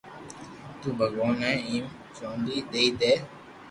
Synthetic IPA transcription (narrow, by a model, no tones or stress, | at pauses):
t̪uːbʱəɡɔːnãĩːm | t͡ʃõːnd̪iːd̪eid̪eː